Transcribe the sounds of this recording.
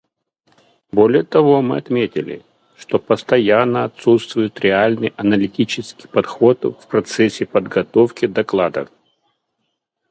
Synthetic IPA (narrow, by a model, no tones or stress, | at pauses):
bolʲɪjət̪ɐvo̞mɨ̰ɐt̪mʲetʲɪ̰lʲɪ̰ | ʂt̪opəst̪ɐjanːəɐt̪sut̪st̪vʊjɪt̪ɾʲɪalʲnɨjʔɐnəlʲɪtʲit͡ɕɪskʲi̥jpɐt̪xo̞t̪fpɾɐt̪sɛsʲːɪpəd̪ɡɐt̪ofkʲɪd̪ɐklˠad̪ə̰